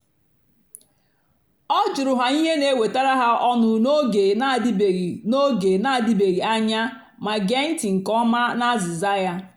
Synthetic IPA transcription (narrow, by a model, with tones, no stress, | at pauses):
ɔ˦d͡ʒʊ˨ɾʊ˨ɦa˨i˦ɦe˦ne˦we˨ta˦ɾa˦ɦa˦ʔɔ˦nʊ˦no˦ɡe˨˦˨no˦ɡe˨na˦a˨di˦be˨ɣi˨a˦ɲa˦ | ma˨ɡe˦n̩˦ti˨ŋ̩˨kɔ˦ma˦na˦zi˨za˦ja˦